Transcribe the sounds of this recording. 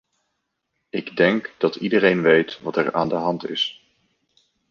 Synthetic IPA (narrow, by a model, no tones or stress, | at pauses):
ɪɡdɛŋkd̥ɑtidərejnʋejtʋɑtɛɹa̰ːndəɦɑntɪ̰s